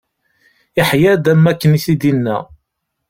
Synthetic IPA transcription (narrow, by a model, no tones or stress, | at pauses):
ɪħjæd̪æmːækːəniθid̪inːæ̰